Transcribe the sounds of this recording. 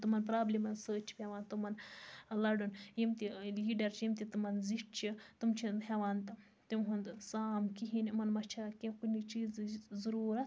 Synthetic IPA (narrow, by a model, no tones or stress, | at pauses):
t̪umɐnpɾaːblimɐnsəːt͡ʃʰi̥pʲaʋaːnt̪umɐnlɐɖunjimt̪iliːɖɐɾt͡ʃʰjimt̪it̪umɐnziʈ̚t͡ʃʰit̪umt͡ʃʰinɦeʋaːnt̪ɨ | t̪imɦund̪saːmkiɦinmɐnmɐt͡ʃʰakẽkunit͡ʃiːzzɐɾuːɾɐ